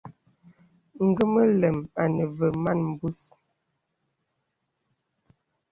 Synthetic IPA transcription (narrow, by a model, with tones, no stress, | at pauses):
ŋ̩˨ɡə˦mə˦lɛ˨ma˨nə˨və˨ma˦˨nm̩˨bu˦s